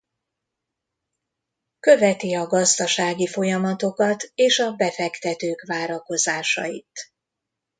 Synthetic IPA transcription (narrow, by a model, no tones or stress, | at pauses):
kø̞vɛt̪iɒɡɒzd̪ɒʃaːɡifo̞jɒmɒt̪o̞kɒt̪eːʃɒbɛfɛkt̪ɛt̪øːkʋaːɾɒko̞zaːʃɒ̰it̪